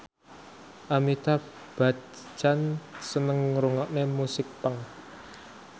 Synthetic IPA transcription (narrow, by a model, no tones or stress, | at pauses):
ʔamit̪a | b̥a̤ | t͡ʃansənəŋɾuŋɔʔnemusɪk̚pəŋ